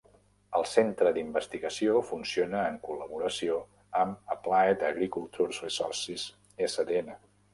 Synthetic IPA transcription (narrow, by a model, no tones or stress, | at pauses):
əlˠsent̪ɾəd̪imbəst̪iɣəsiofunsionəːŋkuləβuɾəsio | əməplaed̪əɣɾikulˠt̪uɾzrisɔrsiz | esəd̪enə